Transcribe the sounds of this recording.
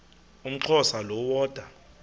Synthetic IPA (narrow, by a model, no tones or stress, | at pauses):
um̩ǁʰɔsalɔwɔːd̥ʱa